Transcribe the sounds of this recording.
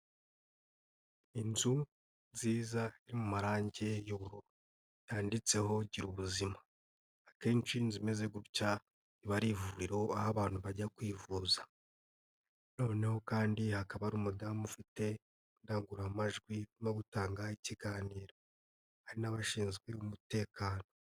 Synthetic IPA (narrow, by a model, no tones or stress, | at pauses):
inzu | nziːzaiɾimumaɾaːɲɟe̞joβuɾo | jaːndit͡se̞ho̞ɟiɾuβuzimaː | keːnt͡ʃinzime̞ze̞ɡuuca | iβaɾivuɾiɾo̞ahaβaːn̥huβaɟakwiːvuːza | no̞ːne̞ho̞kaːndihakaβaɾumudamufite̞ | ndaɡuɾamaʒɡwinoɡutaːŋɡaiciɡaːniːɾo̞ | haɾinaβaʃiːnzɡweβumute̞ːkʰaːno